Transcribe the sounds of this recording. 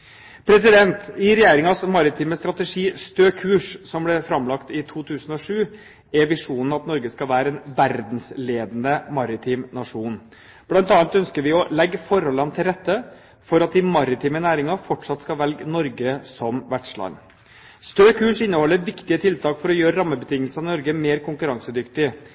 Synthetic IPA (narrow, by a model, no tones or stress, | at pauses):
pʰɾɛsɪd̪ɛnt̪ɪɾɛjeːɾɪŋɑsmɑɾɪt̪ʰiːməst̪ɾɑt̪əʂiːst̪øːkʰʉːʂsɔmblɛfɾɑmlɑkt̪ɪt̪ʰuːt̪ʰʉːsən̩ɔʂʉː | ɛʋɪʂuːnn̩ɑt̪nɔɾɡəskɑʋæːɾəɛnʋæɾd̪n̩sleːd̪ənəmɑɾɪt̪ʰiːmnɑʂuːn | b̥lɑnt̪ɑːlt̪œnskəɾʋɪɔlɛɡːfɔɾhɔlːənt̪ʰɪlɾɛt̪ːə | fɔɾɑt̪̚d̪ɪmɑɾɪt̪ʰiːmənæːɾɪŋɑfɔʈʂɑt̪skɑʋɛlɡnɔɾɡəsɔmʋæɖʂlɑ̰nː | st̪øːkʰʉːʂɪnːəhɔlːəɾʋɪkt̪ɪət̪ʰɪlt̪ʰɑːkfɔɾɔjøːɾəɾɑmːəbət̪ʰɪŋːəlsɑnɪnɔɾɡəmeːɾkʰʊŋkʉɾɑŋsəd̪ʏkt̪ɪ